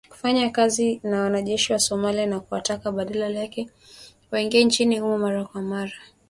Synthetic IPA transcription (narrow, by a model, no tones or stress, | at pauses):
ku̥faɲakazinawanaʄɛʃiwasɔmalianakuwatakaɓaɗalalakɛ | waiŋɡiɛnt͡ʃiniumamaɾakwamaɾa